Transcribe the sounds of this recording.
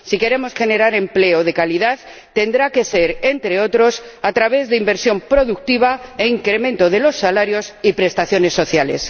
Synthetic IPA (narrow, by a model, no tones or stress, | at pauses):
sike̞ɾe̞mo̞sxe̞ne̞ɾaɾe̞mple̞oð̞e̞kaliðað | t̪e̞nd̪ɾake̞se̞ɾent̪ɾe̞o̞t̪ɾo̞sat̪ɾaβe̞zðeimbe̞ɾsjo̞mpɾo̞ðuk̚t̪iβ̞aeiŋkɾe̞mẽnt̪o̞ðe̞lo̞sːalaɾjo̞sipɾe̞st̪aθjo̞ne̞sːo̞θjale̞̰s